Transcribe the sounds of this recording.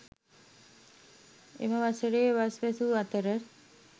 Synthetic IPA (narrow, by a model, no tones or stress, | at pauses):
ḛməʋasəɾeːʋasʋɛsuat̪əɾə